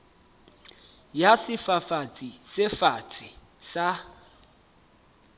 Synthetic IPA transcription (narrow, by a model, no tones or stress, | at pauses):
jasɪfafat͡sʼisɪfat͡sʼi | sa